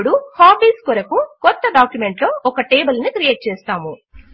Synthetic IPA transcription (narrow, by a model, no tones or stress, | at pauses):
ɽuhaːbiːskuɾɐkukɔt̪ːɐɖaːkjume̞ɳʈlo̞ːʔɔkɐʈeːbɐlnikɾijeːʈ̚t͡ʃɛːst̪aːmu